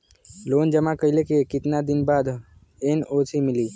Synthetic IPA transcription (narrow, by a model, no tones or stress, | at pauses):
loːnd͡ʒəmakəɪlekekɪt̪nad̪ɪnbaːd̪ | enoːsʰimɪliː